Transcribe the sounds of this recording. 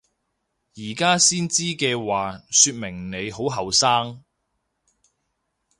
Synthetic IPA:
jiː˨˩kaː˥siː˥nt͡siː˥kɛː˧waː˨syː˧t̚mɪ˨˩ŋne˨˧jho˨˥wɦɐ˨wsaː˥ŋ

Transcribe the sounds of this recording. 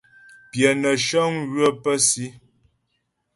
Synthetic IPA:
pjɛ˨nə˨ʃɔ˦ŋɣɥə˦pə˦si˦

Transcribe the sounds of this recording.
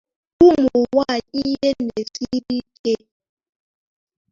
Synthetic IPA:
ku˦mu˨wa˦˨i˦je˦ne˨si˦ɾi˦ke˦

